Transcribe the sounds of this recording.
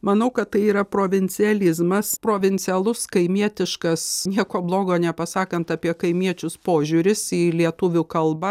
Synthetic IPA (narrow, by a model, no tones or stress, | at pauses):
mɐnɐʊkɐt̪tɐɪiːɾɐpɾoːʋʲɪnʲt͡s̪ʲɪɛlʲɪzmɐspɾoːʋʲɪnʲt͡s̪ʲɛlˠʊskɐɪmʲiɛt̪ʲɪʃkɐsnʲiɛkoːblˠoːɡoːnʲɛpɐsɑːkɐnt̪ɑːpʲiɛkɐɪmʲiɛt͡ʃʲʊspoːʒʲuɾʲɪsiːlʲiɛt̪ʊʋʲʊkɐlˠbɐ